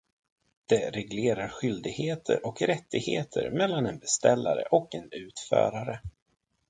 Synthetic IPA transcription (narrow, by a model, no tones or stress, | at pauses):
d̪̥ɛɾɛɡleːɾaɾɧʏld̪ɪɡheːt̪ʰə̰ɾʔɔkɾɛt̪ːɪɡheːt̪ʰə̰ɾmɛlːanɛnbɛst̪ɛlːa̰ɾə̰ʔɔkɛnʉ̟ːt̪fœ̰ːɾaɾə